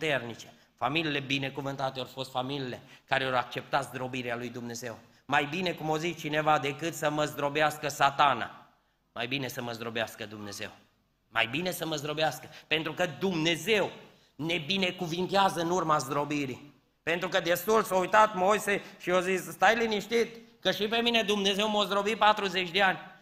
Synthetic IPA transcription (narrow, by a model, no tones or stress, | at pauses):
put̪e̞rnit͡ʃe̞̥ | familiːle̞bine̞kuvɨnt̪at̪eorfo̞st̪familile̞kaɾeoɾak̚t͡ʃe̞p̚t̪at̪zd̪ɾo̞biɾealujd̪umne̞ze̞w | majbine̞kumozit͡ʃt͡ʃine̞vad̪e̞kɨt̪səməzd̪ɾo̞beaskəsat̪ana̰ | majbine̞səməzd̪ɾo̞beaskəd̪umne̞ze̞̰w | ma̰jbine̞səməzd̪ɾobeaskə̥pe̞nt̪ɾukəd̪umne̞ze̞w | ne̞bine̞kuvint̪eazəɨnurmazd̪ɾo̞biɾi | pe̞nt̪ɾukəd̪e̞st̪ult̪soujt̪at̪mo̞jse̞ʃio̞zisst̪ajliniʃt̪it̪kəʃipe̞mine̞d̪umne̞ze̞wmozd̪ɾo̞bipat̪ɾuzet͡ʃʲd̪eanʲ